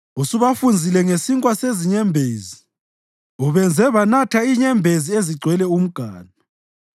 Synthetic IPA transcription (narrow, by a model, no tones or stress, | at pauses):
usuβafund͡zʱilɛŋesiŋkʼwaseziɲɛmbʱeːzi | uβɛnd͡zʱɛβanatʰaiɲɛmbʱezieziɡ͡ǀʱwɛlɛum̩ɡ̥ʱaːna